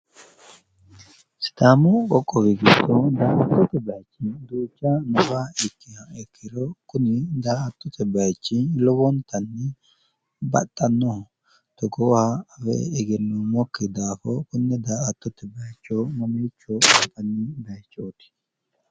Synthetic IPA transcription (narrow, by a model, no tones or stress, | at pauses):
sɪ̥t̪aːmʊkɔkʼːɔwɪɡɪt̪ːɔd̪aːʔɐt̪ːɔt̪ːɛbɐjt͡ʃːɪnd̪uːt͡ʃːanɔfaɪkːɪhɐɛkʰːɪɾɔkʊnɪd̪aːʔɐt̪ːɔt̪ɛbɐjt͡ʃːɪlɔwɔnt̪ɐnːɛ | bɐ̰t̪ʼːɐnːɔ | t̪ɔɡoːhafɛ̰ɪɡɪnːɔmɔkːɪd̪aːfɔkʊnːɛd̪aːʔɐt̪ːɔt̪ːɛbɐjt͡ʃːomɔmiːt͡ʃːɔɐpːɐnːɪb̪ɐjt͡ʃːoːt̪ɪ̥